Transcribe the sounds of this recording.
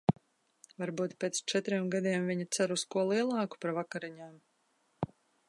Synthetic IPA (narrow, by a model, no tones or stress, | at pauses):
vaɾbuːt̪pʲeːt̪st͡ʃɛt̪ɾiɛmɡad̪ʲiɛmvʲiɲit̪sæɾuskuɔlˠiɛlˠɑːku̥paɾvakaɾiɲaːm